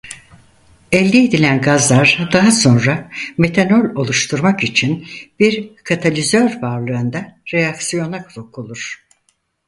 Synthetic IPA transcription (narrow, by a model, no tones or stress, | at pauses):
ɛlʲːiːd̪ilʲænɡazlˠaɾd̪aɦaso̞nɾame̞t̪ʰanolʲo̞lˠuʃt̪ʰuɾmakit͡ʃʰinb̥iɾkʰat̪ʰalʲizøɾbaɾlˠɯɯnd̪aɾejaksijo̞nakʰlˠokʰulˠuɾ̥